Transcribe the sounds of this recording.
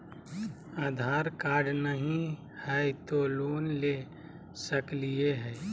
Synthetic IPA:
aːd̪ʱaːɾkaːɖnəɦĩ | hɛt̪oloːnle | səklieɦɛː

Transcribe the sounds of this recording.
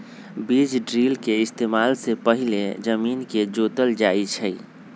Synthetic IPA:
bid͡ʒɖɾiːlkeɪst̪eːmaːlsepəɦiled͡ʒəmiːnked͡ʒoːt̪əld͡ʒaːit͡ʃʰəi

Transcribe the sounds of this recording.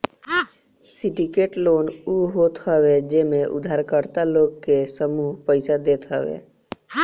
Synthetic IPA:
siʈikeʈloːnuɦot̪ɦəʋed͡ʒemeʔṵd̪ʱaɾkəɾt̪aloːɡkesəmuːɦpəɪsad̪et̪ɦəʋḛ

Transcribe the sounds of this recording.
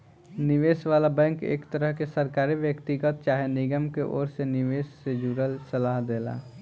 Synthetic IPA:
nɪʋeːsʋaːlabɛ̃ːŋkḛːkt̪əɾəɦkesəɾkaːɾiʋjəkt̪ɪɡət̪̚t͡ʃaːɦenɪɡəmkeʔɔ̰ːɾsenɪʋeːsːed͡ʒuːɾəlsɐlaːɦd̪eːla̰ː

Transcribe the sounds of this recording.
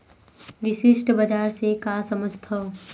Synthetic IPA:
ʋɪʃɪʃʈʰbəd͡ʒaːɾsekasəməd͡ʒʱt̪ʰo

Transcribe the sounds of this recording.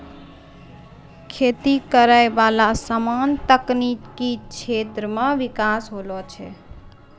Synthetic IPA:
kʰet̪ikəɾəebalasəmant̪əknikit͡ʃʰet̪ɾəmeʋikasɦolɔt͡ʃʰɛ

